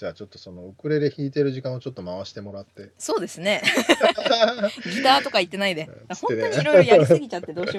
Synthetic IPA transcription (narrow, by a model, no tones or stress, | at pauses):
d͡ʑaːt͡ɕo̞t̪ːoso̞no̞okɯ̟ɾe̞ɾeçiːt̪e̞ɾɯ̟ʑikãot͡ɕo̞t̪ːomaβaɕi̥t̪e̞mo̞ɾat̪ːe̞so̞ːd̪e̞sɨne̞ | ɡit̪aːt̪o̞kait̪ːe̞naid̪ed̪aõed̪oɾojisɨɡʲit͡ɕat̪ːe̞d̪o̞ːɕi